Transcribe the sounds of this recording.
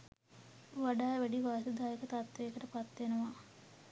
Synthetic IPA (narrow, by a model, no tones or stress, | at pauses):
ʋaɖaːʋæɖiʋaːsid̪aːjekət̪at̪ʋeːkəʈəpat̪ːenəʋa